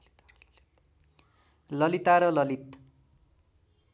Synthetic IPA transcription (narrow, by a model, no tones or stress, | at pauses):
lʌlit̪aɾʌlʌlit̪